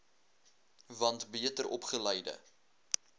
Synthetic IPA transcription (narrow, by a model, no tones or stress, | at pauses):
vɐntbiətəɾʔɔpχəlɛjdə̰